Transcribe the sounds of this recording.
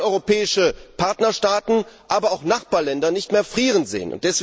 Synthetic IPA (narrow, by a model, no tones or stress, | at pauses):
ʔɔʏʁopɛːɪʃəpʰaɐtnɐʃtaːtn̩ʔaːbɐaʊxnaχb̥aːɐlɛndɐnɪçtmeːɐfʁ̥iːʁənzḛːə̰nʔʊ̰nt̚d̥ɛsv̥